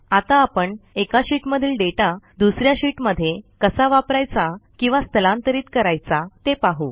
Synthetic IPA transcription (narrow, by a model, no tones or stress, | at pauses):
at̪aːpəɳekaɕiːʈməd̪ʱiːlɖeʈad̪usɾjaɕiʈməd̪ʱːjekəsaʋapɾajt͡sakĩw̃ʋast̪ʰəlãnt̪əɾiːt̪kəɾajt͡sat̪epaɦu